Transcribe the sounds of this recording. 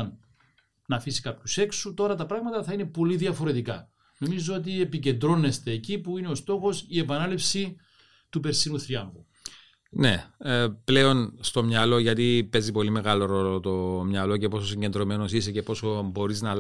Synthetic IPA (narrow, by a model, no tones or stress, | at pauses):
n | nɐfisi̥kɐpçuse̞ksut̪o̞ɾɐt̪ɐpɾɐɣmɐt̪ɐθɐine̞po̞liðiɐfo̞ɾe̞t̪ikɐ̰ | no̞mizoot̪̬iepice̞nd̪ɾo̞nːe̞st̪e̞ːcipuineo̞st̪o̞xo̞sie̞pɐnɐlipsi | t̪upe̞ɾsinuθɾiɐɱɣu | ne̞ple̞o̞nst̪o̞mɲɐlo̞ʝɐt̪ipe̞zipo̞lime̞ɣɐlo̞ɾo̞lo̞t̪o̞mɲɐlo̞ce̞po̞sosiɲɟe̞nd̪ɾo̞me̞no̞sisece̞po̞sobo̞ɾiznɐ